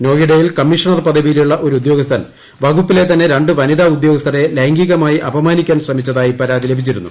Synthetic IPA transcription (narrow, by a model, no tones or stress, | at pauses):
no̞ːjiɽejilkɐmːiʂɐɳɐrpɐd̪ʱɐbijiljuɭːɐʔo̞ɾuud̪jo̞ːɡɐst̪ʰɐn | ʋɐɡupːile̞t̪ɐnːe̞ɾeɳɖɨʋɐniðaud̪joːɡɐst̪ʰɐɾe̞leŋɡiɣɐmaːjiʔɐbɐmaːnikʲːaːnɕrɐmit͡ɕːɐðaːjipɐɾaːd̪ile̞bʱit͡ɕːiɾunːṵ